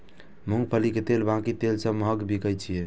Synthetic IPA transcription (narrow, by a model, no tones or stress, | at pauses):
muŋɡ̚pʰəliket̪elbãkit̪elsəməɦəkbʱikəjt͡ʃʰije